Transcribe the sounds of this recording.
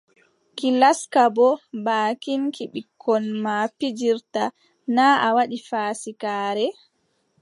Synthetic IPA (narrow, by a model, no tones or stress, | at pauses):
kilaskabɔbaːkinkiɓikʰːɔnmapid͡ʒiɾta | naawaɗifaːsikaːɾɛ